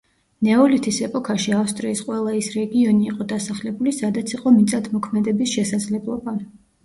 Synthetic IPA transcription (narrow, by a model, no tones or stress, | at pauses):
nɛɔlit̪ʰisɛpʼɔkʰaʃiafst̪ʼɾiːsqʼwɛlˠaisɾɛɡiɔniːqʼɔd̪asaχlɛbulisad̪at̪sʰiqʼɔmit̪sʼad̪ʰmɔkʰmɛd̪ɛbisʃɛsad̪zlɛblˠɔba